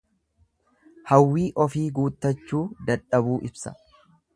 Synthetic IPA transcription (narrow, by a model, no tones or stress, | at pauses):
hɐwːiːʔɔfiːɡuːt̪ːɐt͡ʃːuːd̪ɐᶑɐbuːʔɪbsɐ̥̰